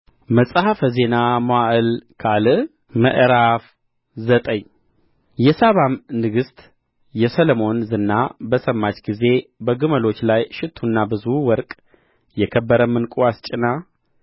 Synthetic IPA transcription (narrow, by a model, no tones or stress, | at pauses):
məsʼhafəze̞namoaʔɨlkʰalɨ | mə̰ʔɾaf | zət̪ʼəɲː | jɛsaβamnɨɡɨst̪ʼ | jɛsələmo̞nzɨnːabəsəmːat͡ʃʼɡize̞bəɡɨməlo̞t͡ʃːlajʃɪt̪ʰːunːabɨzuwɔɾkʼ | jɛkʰəbːəɾəmːɨnkʼuwast͡ʃʼɪna